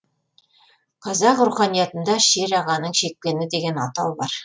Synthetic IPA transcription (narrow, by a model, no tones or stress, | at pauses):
qʰɑzɑqɾuχɑnijɑt̪ə̆nd̪ɑʃeɾɑʁɑnəɴʃek̚penɪd̪eɡʲenɑ̰t̪ɑwbɑɾ